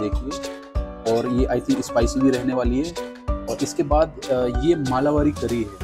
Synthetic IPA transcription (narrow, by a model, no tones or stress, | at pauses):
eːkʰie | ɔːɾjeʔaːɪt̪ʰĩkɪspaːɪsobʱiɾɛɦneʋaːliɦɛː | ɔːɾɪskebaːd̪jemaːlaʋaːɾikɐɾiɦɛː